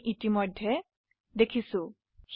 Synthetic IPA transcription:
ʔitimɔjdʱːɛ | dekʰisʊ̃ | x

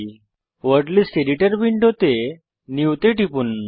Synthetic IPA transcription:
ʋəɾɽlisʈeɾiʈəɾbiɳʈɦot̪e | niwt̪eʈipun

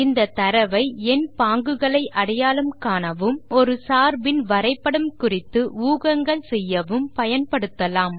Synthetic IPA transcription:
ɪnd̪ɐt̪ːɐɾɐʋɐɪɛnpaːŋɡɯɣɐɭɐɪʔɐɽɐjaːlɯmkaːnɐʋɯmɔɾɯsaːɾbɪnʋɐɾɐɪpːɐɽɯmkʊrɪt̪ːɯuːɣɐŋɡɐɭsɛjːɐʋɯmpɐjɐnpɐɽɯt̪ːɐlaːm

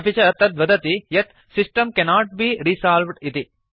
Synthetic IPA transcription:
bit͡ʃɐɐt̪ɐt̪ʋɐd̪ɐt̪ijɐt̪ | sisʈɐ̃mkɛnaːʈ̚biːɾisaːlʋɖit̪i

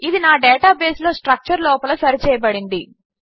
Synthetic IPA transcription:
id̪inaːɖɛːʈaːbe̞ːslo̞ːsʈɾɐk̚t͡ʃɐɾlɔːpɐlɐsɐɾit͡ʃɛːjɐbɐɽind̪i

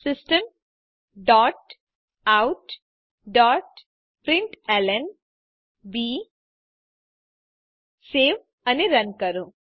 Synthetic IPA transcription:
sɪsʈəm | ɖɔːʈ̚ | awʈ | ɖɔːʈ̚ | pɾɪɳʈelən | biː | seːʋ | ɐniɾɐnkɐɾũː

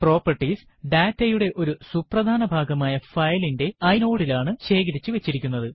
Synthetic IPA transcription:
pro̞ːpːɐrʈis | ɖaːtːɐjuɽe̞ʔo̞ɾusuprɐd̪ʱaːnɐbʱaːɡɐmaːjɐfɐjlinde̞ɐjno̞ːɽilaːɳɨɕe̞ːɡɐɾit͡ɕːɨʋe̞t͡ɕːiɾikʲːunːɐðɨ

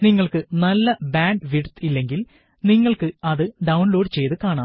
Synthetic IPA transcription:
niŋːɐɭkɨnɐlːɐbaːɳɖɨʋiɽt̪ilːe̞ŋɡil | niŋːɐɭkɨɐðɨɖɐwɳlo̞ːɖt͡ɕe̞jt̪ɨkaːɳaːm

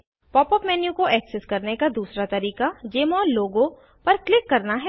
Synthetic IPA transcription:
pɔːpəpmɛːnjukoʔɛːksɛskɐɾnekad̪uːsɾat̪ɐɾiːqad͡ʒeːmɔ̃ːloːɡõ | pɐɾklɪkːɐɾnaɦɛ

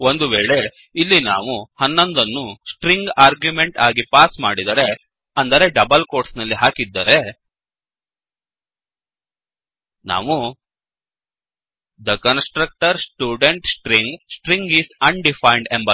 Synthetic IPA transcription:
o̞nd̪uʋeːɭe̞ | ilːina̰ːʋuhɐnːond̪ɐnːusʈɾiŋɡaːɾɡjume̞ɳʈaːɡipaːsmaːɽid̪ɐɾe̞ | ɐnd̪ɐɾe̞ɖɐbɐlko̞ːɾʈsnɐlːiɦaːkid̪ːɐɾe̞ | na̰ːʋu | d̪ɐkɐnsʈɾɐk̚ʈɐɾsʈjuːɖeɳʈsʈɾiŋɡsʈɾiŋɡisɐɳɖipʰɐjɳɖembɐ

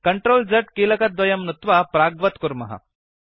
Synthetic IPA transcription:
kəɳʈɾoːld͡zəʈkiːlɐkɐt̪̚d̪ʋɐjɐmnut̪ʋapɾaɡʋɐt̪kuɾmɐɦa̰

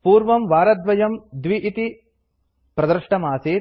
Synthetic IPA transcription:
puːɾʋɐmʋaːɾɐd̪ʋɐjɐmd̪ʋiʔit̪i | pɾɐd̪ɐɾʂʈɐmaːseː

